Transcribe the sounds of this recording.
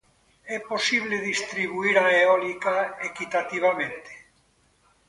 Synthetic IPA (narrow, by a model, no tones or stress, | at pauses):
ɛposiβleðist̪ɾiβuiɾaeɔlikaekit̪at̪iβ̞amẽnt̪e̥